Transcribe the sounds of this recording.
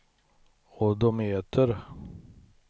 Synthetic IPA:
ɔd̪ɔmheːt̪ʰəɾ

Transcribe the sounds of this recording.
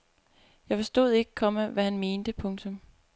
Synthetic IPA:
jɑ̈ɪfɒ̽sd̥o̝̰ð̞̰ˠe̝ɡ̥əkʰɒ̽mæʋæhænme̝ːnd̥əpʰɔ̽ŋt͡sʰɔ̽m

